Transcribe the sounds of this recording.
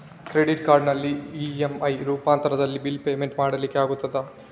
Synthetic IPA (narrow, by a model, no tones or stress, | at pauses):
kɾeɖiʈkaːɾɖnɐlːiiemɐjɾuːpaːnt̪ɐɾɐðɐlːibilpe̞ːmeɳʈmaːɽɐlikʲːeaːɡut̪ːɐd̪ɐ